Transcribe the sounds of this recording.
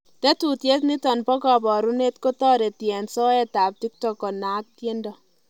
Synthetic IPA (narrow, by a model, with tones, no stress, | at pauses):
tɛ˦tu˨tje˦t̬ni˦tɔ˨npɔ˦kɔ˨bɔ˨ɾu˦ne˦tko˦tɔ˦ɾe˨ti˨ɛ˨nsɔ˦ɛ˦ta˨p̚ti˦k̚tɔ˨kɔ˨na˦k̚tje˦ndɔ˦